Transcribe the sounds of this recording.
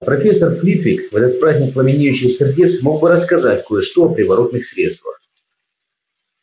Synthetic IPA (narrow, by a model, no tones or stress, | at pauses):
pɾɐfʲe̞sərflʲit̪vʲikvɛt̪ət̪̚pɾazʲnʲɪk̚plˠəmʲɪnʲijʉɕːɪjsʲɪrdʲit̪smo̞ɡ̚bɨɾəskɐzatʲkojɪʂt̪oɐpɾʲɪvɐɾo̞t̪nɨxsʲɾʲet̪st̪və̰x